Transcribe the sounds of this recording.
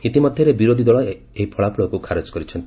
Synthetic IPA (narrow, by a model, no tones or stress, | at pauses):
it̪imɔd̪ʱjɔɾebiɾod̪ʱid̪ɔɭɔ | eɦipʰɔɭapuɭɔkukʰaɾet͡ʃkɔɾit͡ʃʰɔnt̪